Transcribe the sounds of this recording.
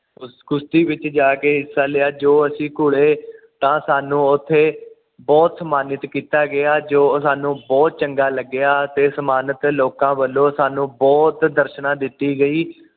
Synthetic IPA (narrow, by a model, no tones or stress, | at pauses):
sɡʊst̪iːʋɪt͡ʃd͡ʒaːkeːɦɪsːaːleaːd͡ʒoːəsĩːkʊɽeːt̪ãːsaːnũːʊt̪ʰːeː | bɔːt̪səmaːnɪt̪kiːt̪aːɡɪaːd͡ʒoːsaːnũːbɔːt̪̚t͡ʃəŋɡaːləɡːɪaːt̪eːsəmaːnət̪loːkãːʋəlːõːsaːnũːbɔːt̪d̪əɾʃnãːd̪ɪt̪ːiːɡəiː